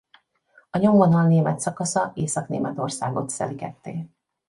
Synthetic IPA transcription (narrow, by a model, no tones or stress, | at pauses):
ɒɲo̞mvonɒlneːmɛt̪sɒkɒsɒeːsɒknḛːmɛt̪o̞rsa̰ːɡo̞t̪sɛ̰likɛt̪ːeː